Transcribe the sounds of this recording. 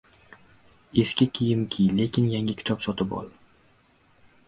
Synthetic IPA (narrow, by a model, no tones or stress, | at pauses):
e̞skʲɪkʲʰijɪmkʲʰijle̞kʲʰɪnjaŋɪkʲʰɪ̥t̪ʰɒpsɒt̪ɪbɒ̰lˠ